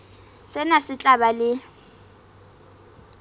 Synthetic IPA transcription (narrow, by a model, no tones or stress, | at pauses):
sɪnasɪt͡ɬʼabalɪ